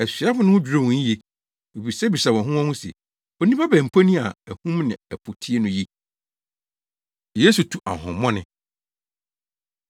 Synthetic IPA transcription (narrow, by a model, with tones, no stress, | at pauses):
ɛ˨sɥa˦fʊ˦nʊ̃˦ʊ˦d͡ʑᶣɾo˦˨wũ˨˦je˦ | e˨bi˨sɛ˦bi˨sa˨wɔ̃˨ɦʊ̃˦ɔ̃˦hʊ̃˦sḛ˨ | ɔ̃˨nĩ˦pʰa˦bæ̃˨m̩˨pʰo˦nĩ˦a̰˨æ˨hũ˦mnɪ̰̃˨ɛ˨pʰo˨tʰi˦e˦nʊ̃˦ji˦˨ | je˦su˨tʰu˨ʔa̰˨ɦʊ̰̃˨mːɔ̃˦nɪ̃˨